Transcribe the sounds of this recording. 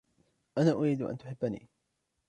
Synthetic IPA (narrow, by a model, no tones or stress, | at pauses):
ʔanaːʔʊɾiːd̪ʊʔa̰nt̪ʊħɪbːanḭː